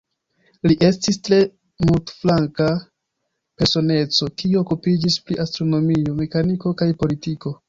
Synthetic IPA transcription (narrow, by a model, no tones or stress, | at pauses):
liʔe̞stistɾe̞ | multflaŋka | pe̞ɾso̞ne̞t͡so̞kiuokupid͡ʒispɾiʔastɾo̞no̞mio̞me̞kaniko̞kajpo̞litiko̞